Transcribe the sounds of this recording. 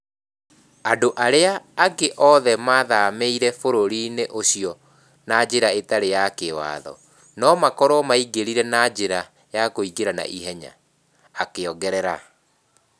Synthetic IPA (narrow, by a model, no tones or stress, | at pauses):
adoʔaɾeaːɡeʔɔðɛmaðameiɾɛfoɾoɾineʔoɕiɔ | nad͡ʑeɾaetaɾejakewa̰ːðɔ̰ | nɔmakɔɾɔmaiɡeɾiɾɛnad͡ʑeɾa | jakoiɡeɾana̰ʔiɦɛɲa̰ː | keɔɡɛɾɛɾa